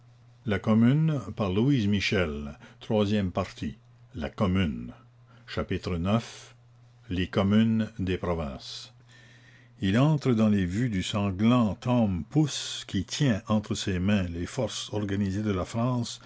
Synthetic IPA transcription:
lakɔmynpaʁluizmiʃɛlt̪ʁwazjɛmpaʁt̪ʰi | la̰kɔmyn | ʃapit̪ɾənœf | lekɔmynd̪epɾɔvɛ̃ːs | ilɑ̃t̪ɾəd̪ɑ̃levyd̪ysɑ̃ɡlɑ̃t̪ɔmpuskʲit̪ʰjɛ̃ʔɑ̃t̪ʁəsemɛ̃lefɔʁsɔʁɡanized̪əlafɾɑ̃ːs

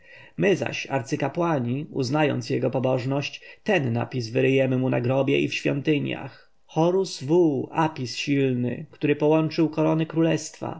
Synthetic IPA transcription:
mɘza̰ɕa̰ɾt̪sɘkapwaɲiṵznajɔ̰nt̪sjɛɡɔpɔbɔʐnɔɕt͡ɕt̪ɛnːa̰pʲis̬vɘɾɘjɛmɘmunaɡɾɔbʲjɛ̰ʔḭfɕfʲjɔ̰nt̪ɘɲja̰x | xɔɾusvuapʲisɕilnɘ̰kt̪uɾɘpɔwɔnt͡ʂɘwkɔɾɔnɘkɾulɛst̪fa̰

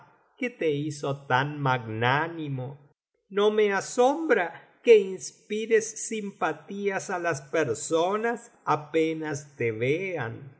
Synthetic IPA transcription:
ket̪eiso̞t̪anmaɡnanimo | no̞measo̞mbɾakeinspiɾesːimpat̪iasalaspeɾsonas | apenast̪eβean

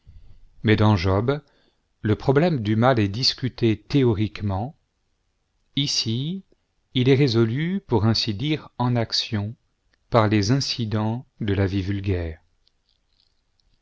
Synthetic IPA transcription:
mɛd̪ɑ̃ʒɔb | ləpχɔblɛmd̪ymalɛd̪iskʲyt̪et̪eɔʁikmɑ̃ | isiː | lɛʁezɔlypuʁɛ̃sid̪iʁɑ̃naksjɔ̃ | paʁlezɛ̃sid̪ɑ̃d̪əlavivylɡʲɛːʁ

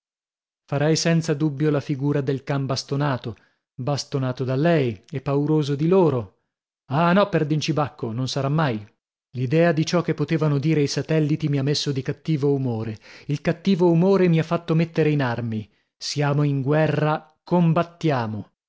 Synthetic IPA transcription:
faɾɛjsɛnt̪sad̪ubːjolafiɡuːɾad̪elkambast̪onaːt̪o | bast̪onaːt̪od̪alːɛjepːauɾoːzod̪iloːɾo | anɔpːerd̪int͡ʃibakːononsaɾamːaj | lid̪ɛːad̪it͡ʃɔkːepːot̪eːvanod̪iːɾeisat̪ɛlːit̪imiamːesːod̪ikat̪ːiːvoumoːɾeilkat̪ːiːvoumoːɾemiafːat̪ːomet̪ːeɾeinarmi | sjaːmoiŋɡwɛrːa | kombat̪ːjaːmo

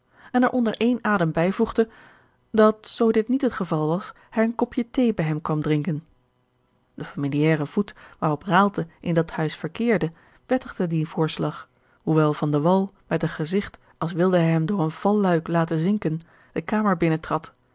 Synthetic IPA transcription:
ɛnɛɹʔɔndəɹʔejnaːdəmbɛjvuχdə | dɑtsowdɪtnitɦətχəvɑlˠʋɑs | hɛjənkɔpjətejbɛjɦɛmkʋɑmdrɪŋkən | d̥əfamiliɛːrəv̥utʋaːrɔpraːlˠdəʔɪndɑthœɥsfəɹkɪːɹdə | pɛtəχdədivʊːɹslɑχ | huʋɛlˠvɑndəʋɑlˠmɛtənχəzɪχt | ɑlˠsʋɪlˠdəɦɛjɦɛmdʊːɹənv̥ɑlːœɥklaːtəzɪŋkən | d̥əkaːməɹbɪnətrɑt

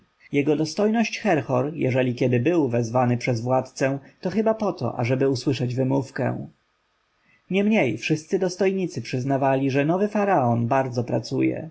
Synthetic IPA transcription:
jɛɡɔd̪ɔst̪ɔjnɔɕt͡ɕxɛɾxɔɾjɛ̰ʐɛlʲikʲɛd̪ɘbɘwvɛzvanɘpʂɛzvwat̪t̪sɛ̃t̪ɔxɘbapɔt̪ɔ̰ʔa̰ʐɛbɘuswɘʂɛd͡ʑvɘmufkɛ̰̃ | ɲɛmɲejfʂɘst̪sɘd̪ɔst̪ɔjɲit̪sɘpʂɘznavalʲiʐɛnɔvɘfaɾaɔnbaɾd̪zɔpɾat̪sujɛ̰

